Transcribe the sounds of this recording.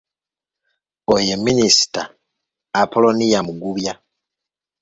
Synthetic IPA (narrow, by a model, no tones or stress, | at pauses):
ojemːinisi̥taː | pʰolo̞nijamuɡuβja